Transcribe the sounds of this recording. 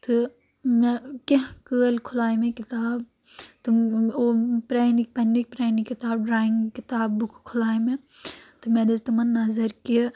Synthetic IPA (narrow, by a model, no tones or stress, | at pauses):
t̪ɨ | mekɐkəːlkʰʊlaːjmẽkit̪aːb | t̪uopɾaːnik̚pɐnːik̚pɾaːnikːit̪aːb̚ɖɾaːĩŋɡkɪt̪aːbːukʰkʰʊlaːjmẽt̪ɨmed̪ɐzt̪umɐnːɐzɐɾki